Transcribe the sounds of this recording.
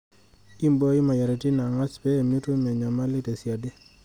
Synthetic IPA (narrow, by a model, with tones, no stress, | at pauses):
i˦mbo˦i˦ma˨ja˨ɾe˨ti˦na˨ŋa˦t͡ʃpɛː˦˨mi˦to˦mɛ˨ɲa˨ma˦lɪ˦te˨sja˨de˦